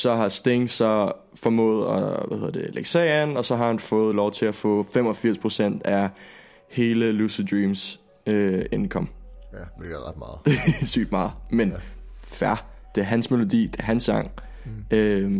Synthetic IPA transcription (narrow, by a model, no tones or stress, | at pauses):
sɒ̽ɦɑ̈sd̥eŋsɒ̽ | fɒ̽mɔ̰̽ːð̞̩ˠɒʋæheð̰ˠɐd̥eleɡ̥sɛænɒ̽sɒ̽ɦɑ̈hænfɔ̽ːð̩ˠlɒʊt͡sʰe̝læfɔ̰̽ːfemɒ̽fiɐspʰʁo̝sen̰d̥æ | he̝ːləlusid̥ʁiːms | øe̝nkʰɒ̽m | d̥ɑ̥sy̰d̥mɑ̈ːð̩ˠmen | fæ | d̥e̝æɐɦænsme̝lo̝d̥ḭːd̥eɐɦænsɡɑ̈ŋ̰ | ø